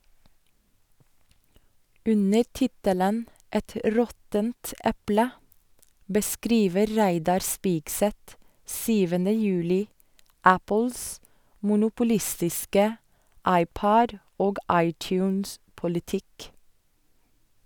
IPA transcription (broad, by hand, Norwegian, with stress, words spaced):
ˈʉnəɾ ˈtɪtələn ˈɛt ˈɾɔtənt ˈɛplə bəˈskɾiːʋə ˈɾæɪdɑɾ ˈspɪɡsɛt ˈsyːʋəndə ˈjʉːlɪ ˈæpl̩s mʊnʊpʊˈlɪstɪskə ˈɑɪˌpɔd ˈoːɡ ˈɑɪˌtjʉːnspʊlɪˌtɪk